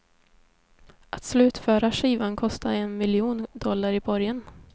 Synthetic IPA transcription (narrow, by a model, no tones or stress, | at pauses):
ʔat̪slʉ̟ːt̪fœːɾaʂiːvankʰɔst̪ʰaɛnmɪljuːnd̪ɔlːaɾɪbɔɾjan